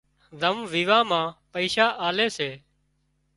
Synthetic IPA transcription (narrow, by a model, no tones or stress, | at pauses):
zəmʋiːʋãːmãːpəiːʃaːʔaːleːseː